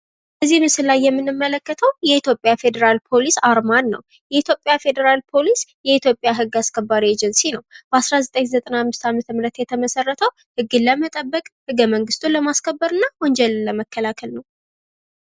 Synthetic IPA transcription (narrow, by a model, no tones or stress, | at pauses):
bəzːihmɨsɨlajːɛmːɨnːɨmːələkːət̪ʰəwjɛit̪ʰjo̞pʼjafe̞d̪əɾalpʰo̞lisaɾmanːə̰w | jɛit̪ʰjo̞pʼːjafe̞d̪əɾalpʰo̞lisjɛit̪ʰjo̞pʼːjaɦɨɡːaskʰəbːaɾied͡ʒɛnsinəwb̥əasɾazət̪ʼəɲzət̪ʼənahamːɨst̪ʰamət̪ʰəmɨɾət̪jɛt̪ʰəməsərːət̪ʰəw | hɨɡːɨlːəmət̪ʼəbːəkʼhɨɡːəməŋɡɨst̪ʰuləmaskʰəbːəɾɨnːawɔɲd͡ʒɛllːəməkːəlakʰəlnəw